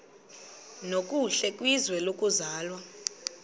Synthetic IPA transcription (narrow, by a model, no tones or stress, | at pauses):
nokʼuɬɛkʼwizwɛlokʼuzaːlwa